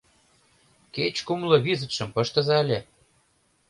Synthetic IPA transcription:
ket͡ɕkumlɤ̆βizə̆t̪ʃɤ̆mpɤ̆ʃt̪ə̆zɑlʲe

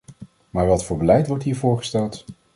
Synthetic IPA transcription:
maːɹʋɑtfʊːɹbəlɛjtʋɔɹtɦiːɹvʊːɹχə̥stɛlˠt

